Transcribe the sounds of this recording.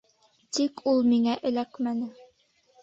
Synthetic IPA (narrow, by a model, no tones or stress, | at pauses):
t̪ikʰulˠmiŋæʔɘ̆lækmænɘ